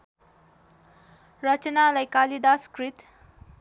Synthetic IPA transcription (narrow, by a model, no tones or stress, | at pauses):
rʌt͡ʃʌnalajkalid̪askɾit̪